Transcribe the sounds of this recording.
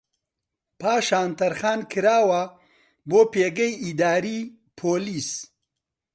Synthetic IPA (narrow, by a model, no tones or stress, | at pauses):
paːʃaːnt̪ɐɾxaːnkʰɨɾaːwɐ | boːpeːɡɐjid̪aːɾiː | pʰoːliːs